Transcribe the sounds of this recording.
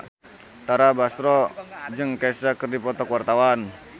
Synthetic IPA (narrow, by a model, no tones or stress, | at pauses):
t̪aɾabasɾɔd͡ʒɨŋkasakərdipɔt̪ɔkuwart̪awan